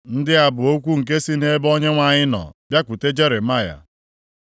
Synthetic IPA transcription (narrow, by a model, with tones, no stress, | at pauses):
n̩˦dɪ˦a˨bʊ˨o˦kʷu˦ŋ̩˨ke˦si˦ne˦bɔ˦ɲe˦ŋʷa˦˨ɲɪ˦nɔ̰˨bja˦kʷu˨te˦d͡ʒe˦ɾe˨ma˦˨ja̰˨